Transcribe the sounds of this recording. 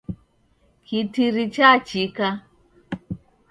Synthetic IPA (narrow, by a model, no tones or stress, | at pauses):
kʰitiɾit͡ʃat͡ʃika